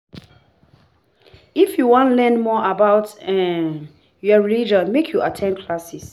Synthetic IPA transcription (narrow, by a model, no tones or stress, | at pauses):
ifjuwɔ̃nlɛ̃nmɔʔabaʊtɛ | jɔɹilid͡ʒɔ̃nmekʰjuʔatʰɛ̃nkʰlasis